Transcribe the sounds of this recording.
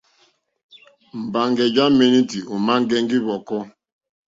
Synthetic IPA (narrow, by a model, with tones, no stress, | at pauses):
m̩˨ba˨ŋɡɛ˨d͡ʒa˦me˦ni˦ti˨u˨ma˦ŋ˦ɡɛ˦ŋɡi˦βɔ˨kɔ˦